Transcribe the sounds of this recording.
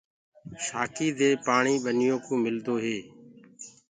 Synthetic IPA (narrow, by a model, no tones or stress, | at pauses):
ʃaːkiːd̪eːpaːɳiːɓənɪjõːkõːmɪld̪oːɦeː